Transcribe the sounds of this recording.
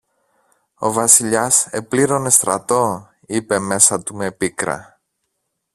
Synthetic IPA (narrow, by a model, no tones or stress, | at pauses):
o̞̰vɐsiʎɐse̞pliɾo̞ne̞st̪ɾɐt̪o̞ | ipe̞me̞sɐt̪ume̞pikɾɐ̰